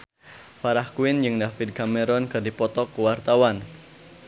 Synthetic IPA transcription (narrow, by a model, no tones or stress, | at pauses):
faɾahkuwɪnd͡ʒɨŋdafɪd̪̚kamɛɾɔnkɨrdipɔt̪ɔkːəwart̪awan